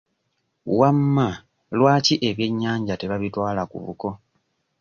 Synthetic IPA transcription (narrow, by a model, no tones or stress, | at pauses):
wamːa | lwaːciʔe̞βje̞ɲːaːɲɟate̞βaβitwaːlakṵβṵko̞